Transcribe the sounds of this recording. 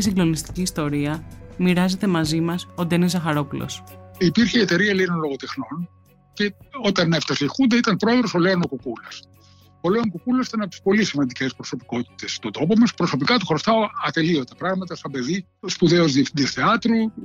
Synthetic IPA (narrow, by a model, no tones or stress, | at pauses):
siŋɡlo̞nist̪i̥ciːst̪o̞ɾiɐmiɾɐze̞t̪e̞mɐzimɐsod̪enizzɐxɐɾo̞pulo̰sipiɾçeiet̪e̞ɾiɐlenonlo̞ɣot̪exno̞n | ceot̪ɐnːeft̪ɐsexund̪eit̪ɐnpɾo̞eðɾosoleɐnokokulɐs | oleoŋkokulɐsi̥t̪ɐnep̚t̪i̥spo̞lisimɐnd̪icespɾo̞so̞pi̥ko̞t̪i̥t̪e̞st̪ot̪o̞pomɐspɾo̞so̞pikɐt̪uxoɾost̪ɐɐt̪e̞lio̞t̪ɐpɾɐɣmɐt̪ɐst̪ɐbe̞ði | spuðe̞ozðied̪isθeɐt̪ɾu